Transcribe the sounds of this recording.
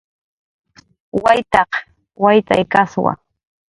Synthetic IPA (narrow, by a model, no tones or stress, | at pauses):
wajt̪ɑq | wajt̪a̰jkaswa̰